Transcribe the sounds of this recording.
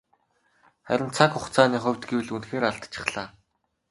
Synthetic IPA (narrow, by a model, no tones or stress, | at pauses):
χæ̰ɾʲɪ̆nt͡sʰakʊχt͡sʰaːniːχʊ̟wʲt̪ɡewɘ̆ɮunxeːɾaɮt̪t͡ɕʰɪ̥̆χɮaː